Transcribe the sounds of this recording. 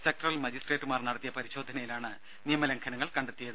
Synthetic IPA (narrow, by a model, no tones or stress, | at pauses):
sek̚ʈrɐlmɐd͡ʑisʈreːʈːɨmaːrnɐɽɐt̪ːijɐpɐɾiɕo̞ːd̪ʱːɐnɐjilaːɳɨ | nijɐmɐlɐŋkʰɐnɐŋːɐɭkɐɳɖet̪ːijɐðɨ